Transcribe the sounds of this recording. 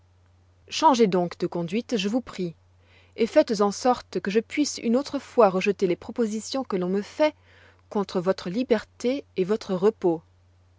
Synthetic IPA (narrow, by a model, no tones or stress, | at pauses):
ʃɑ̃ʒed̪ɔ̃kd̪əkɔ̃d̪ɥit̪ʒəvupχi | efɛt̪zɑ̃sɔʁt̪kəʒəpɥisy̰not̪χəfwaʁəʒət̪elepχɔpozisjɔ̃kəlɔ̃məfɛ | kɔ̃t̪χəvɔt̪χəlibɛʁt̪eːvɔt̪χəʁəpo